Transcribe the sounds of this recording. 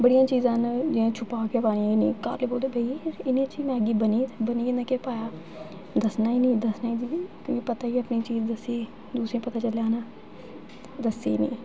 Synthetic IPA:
bəɽɪjãːt͡ʃiːzãːnd͡ʒɪãːt͡ʃʰʊpaːkepaːniãːɪnḭ̃ːka̰ːlːboːld̪eːbʱəiɪnĩːt͡ʃiːmɛ̃ːəɡiːbəniːt̪ːbəniːẽnd̪ãːkepaːjaː | d̪əsnaːiːnĩːd̪əsnaːiːd̪iːk̪əʋĩːpət̪aːiːəpniːt͡ʃiːzd̪əsiː | d̪uːsɾẽːpət̪aːt͡ʃəljaːnaː | d̪əsḛːnḭ̃ː

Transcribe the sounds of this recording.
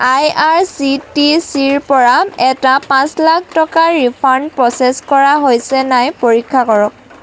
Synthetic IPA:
ajaɹsitisiɹpɔɹaɛtapãslak̚ʰtɔkaɹipʰandpɹɔseskɔɹaɦojsɛnajpoɹikʰːakɔɹɔk̚

